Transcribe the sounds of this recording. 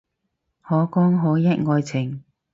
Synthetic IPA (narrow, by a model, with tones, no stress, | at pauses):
hɔː˨˥kɔː˥ŋɦoː˨˥jɐ˥t̚ŋɔː˧jt͡sʰɪ˨˩ŋ